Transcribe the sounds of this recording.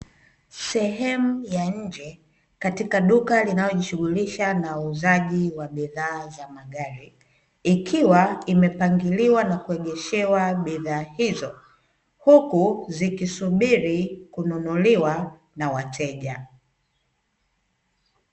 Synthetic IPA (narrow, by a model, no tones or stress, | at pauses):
sɛɦɛmujaɲ̩d͡ʒɛ | katikaɗukalinalɔʄiʃuɣuliʃanauzaʄiwaɓiðaːzamaɠaɾi | ikʰiwaimɛpaŋɡiliwanakuɛɠɛʃɛwaɓiðaːhizɔ | hukuzikisuɓiɾikununuliwa | nawatʰɛʄa